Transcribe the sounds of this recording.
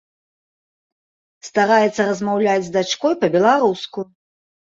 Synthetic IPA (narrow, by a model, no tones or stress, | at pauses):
st̪aɾajɛt̪sːɐɾɐzmawlʲad͡zʲzd̪at͡ʂkɔjpɐbʲɛlˠaɾusku